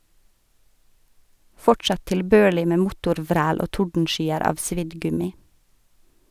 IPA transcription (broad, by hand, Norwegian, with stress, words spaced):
ˈfɔʈsɑ tɪlˈbøːɭɪ ˈmeː ˈmʊtʊɾˌʋɾæːl ˈoː ˈtʊɖn̩ˌʃyːəɾ ˈɑːʋ ˈsʋɪd ˈɡʉmɪ